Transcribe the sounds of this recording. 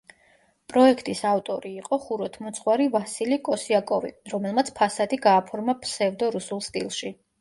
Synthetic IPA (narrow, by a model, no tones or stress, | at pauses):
pʼɾɔɛkʰt̪ʼisavt̪ʼɔɾiːqʼɔχuɾɔt̪ʰmɔt̪sʰχwaɾivasilikʼɔsiakʼɔvḭɾɔmɛlˠmat̪sʰpʰasad̪iɡaːpʰɔɾmapʰsɛvd̪ɔɾusulˠst̪ʼḭlˠʃi